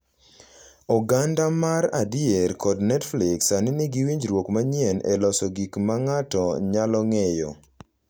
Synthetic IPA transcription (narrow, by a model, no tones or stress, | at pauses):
ɔɡandamaɾadjeɾkɔdnɛtflɪksanɪnɪɡiwiɲd͡ʒɾwokmaɲiɛnɛ̰lɔsɔɡikmaŋatɔɲalɔŋɛjɔ̰